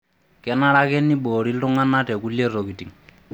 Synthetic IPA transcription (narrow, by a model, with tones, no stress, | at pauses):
kɛ˦na˦ɾa˦kɛ˦ni˦ɓoː˨ɾi˦ltʊ˦ŋa˦na˦tɛ˨ku˦lje˦ro˨ki˨ti˨ŋ